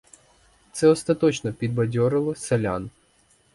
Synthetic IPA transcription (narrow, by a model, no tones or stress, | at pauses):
t̪sɛɔst̪ɐt̪ɔt͡ʃnɔpʲid̪̚bɐdʲɔɾɪlˠɔselʲa̰n